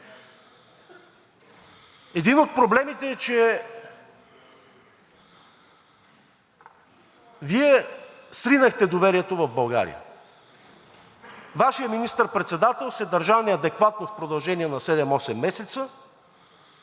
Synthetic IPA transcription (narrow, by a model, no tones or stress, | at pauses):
ɛd̪inot̪̚pɾoblɛmit̪ɛːt͡ʃɛ | viɛsɾinəxt̪ɛd̪ovɛɾiɛt̪ovɐvbɐlˠɡa̰ɾḭjə̰ | vaʃijəminist̪əɾpɾɛt̪sɛd̪at̪ɛlˠsɛd̪ɐɾʒavniɐd̪ɛkvat̪nofpɾod̪ɐlˠʒɛniɛnɐsɛd̪ɛmɔsɛmːɛsɛt̪sə